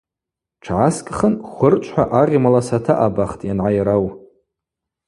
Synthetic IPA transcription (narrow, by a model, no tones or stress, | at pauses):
ʈ͡ʂʰʕaskʼχənχʷʊrt͡ʃʷʰʼħʷaʔaʁʲmalasatʰaʔabaχtʼjanʕajɾaw